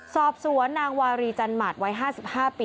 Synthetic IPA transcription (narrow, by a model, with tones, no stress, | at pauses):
sɔː˨˩p̚su˩˦ənːaː˧ŋwaː˧ɾiː˧t͡ɕa˧nmaː˨˩t̪̚wa˦˥jɦaː˥˩si˨˩p̚haː˥˩piː˧